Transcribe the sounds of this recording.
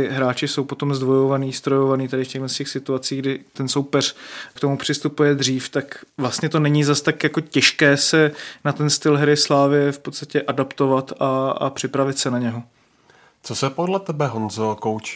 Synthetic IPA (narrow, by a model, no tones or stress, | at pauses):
ɪɦɾaːt͡ʃɪso̞wpo̞t̪o̞mzd̪vo̞jo̞vaniːst̪ɾojo̞vaniːt̪adɪfcɛɣlɛnscɛxsɪt̪uat͡siːɡdɪt̪ɛnsowpɛr̝̥kt̪omupr̝̥ɪst̪upujɛd̪r̝iːft̪akvlast̪ɲɛt̪o̞nɛɲizast̪akjako̞cɛʃkɛːsɛnat̪ɛnst̪ɪlɦɛɾɪslaːvɪjɛfpot̪st̪acɛʔadapt̪o̞vat̪aa̰pr̥ɪpɾavɪt̪sɛnaɲɛɦo | t͡sosɛpodlɛt̪ɛbɛɦonzokowt͡ʃi